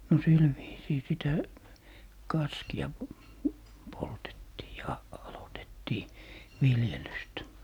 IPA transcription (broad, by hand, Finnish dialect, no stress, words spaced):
no sil ʋiːsiː sitæ kɑskiɑ poltetːiː jɑ ɑlotetːiː ʋiljelyst